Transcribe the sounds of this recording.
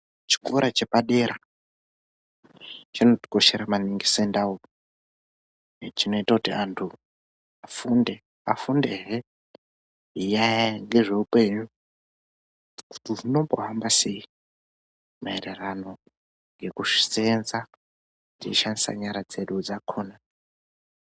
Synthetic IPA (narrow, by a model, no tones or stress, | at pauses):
t͡ʃi̥koɾat͡ʃe̞paɗe̞ɾa | t͡ʃino̞ti̥ko̞ʃeɾamaniŋɡisoendau | t͡ʃino̞itakutiantʰu | afunde | afundeɦe | ɦijajaŋɡe̞ʐe̞upe̞ɲu | ku̥tiʐino̞boɦambase̞i | maererano̞ | ŋɡe̞kuʂi̥senza | d͡zit͡ʃːiʃandisa̰ɲaɾad͡ze̞ɗud͡zakʰoːna